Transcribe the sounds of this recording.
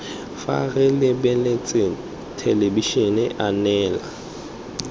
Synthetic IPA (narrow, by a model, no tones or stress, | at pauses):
fa̰ɣɪlɪbɛlt͡sʼe | tʰelebiʃɔnɪʔanɛːla̰